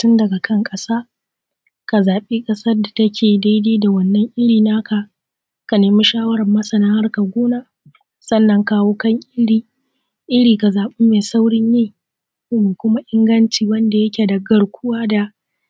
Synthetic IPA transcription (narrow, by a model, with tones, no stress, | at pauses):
tʊ˦ndɐ˨ɡa˨kʰɐ˦ŋkʼɐ˦saː˦ | ka˨zaː˨ɓeː˦kʼɐ˦sɐ˦rda˨tɐ˦kʲʰeː˨da˦jdeː˦da˨wɐ˦nːɐ˦ŋʔɪ˦ɽiː˨na˦ka˨ | ka˨neː˨mu˦ʃaː˦wɐ˦ɾɐ˨mːɐ˦sɐ˨na˦ha˦rka˨ɡʷoː˦naː˦ | sɐ˦nːɐ˦ŋkaː˦woː˦kɐ˦ŋʔɪ˦ɽiː˨ | ʔɪ˦ɽiː˨ka˨zaː˨ɓɪ˦meː˨sa˦wɽɪ˦ɲːeː˦ | me˨kʷʊ˦ma˦ʔɪ˦ŋɡɐ˦nt͡ʃiː˨wɐ˦nda˨jɐ˦kʲe˨dɐ˨ɡɐ˦ɽkʷʰʊ˦waː˦da˨